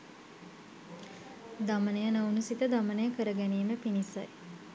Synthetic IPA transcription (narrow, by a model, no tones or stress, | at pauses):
d̪amənəjənəunusit̪əd̪amənəjəkəɾəɡæniːməpinisa̰j